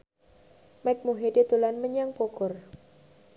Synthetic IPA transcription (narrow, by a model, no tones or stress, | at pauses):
mɛk̚muɦedet̪ulanməɲaŋpokʊr